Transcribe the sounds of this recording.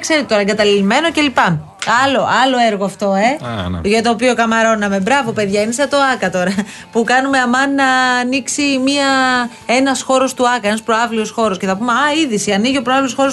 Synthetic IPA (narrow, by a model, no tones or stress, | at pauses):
kse̞ɾet̪et̪o̞ɾɐeŋɡɐt̪ɐlilime̞no̞ce̞lipɐ | ɐlo̞ʔɐlo̞eɾɣoɐft̪o̞ḛʝɐt̪o̞ːpio̞kɐmɐɾo̞nɐme̞bɾɐvope̞ðʝɐinisɐt̪o̞ɐkɐt̪o̞ɾɐ | pukɐnume̞ɐmɐnnɐːniksimiɐ | e̞nɐsxo̞ɾo̞st̪uɐkɐenɐspɾoɐvlio̞sxo̞ɾo̞sceθɐpumeɐiðisiɐniʝio̞pɾɐvliosxo̞ɾ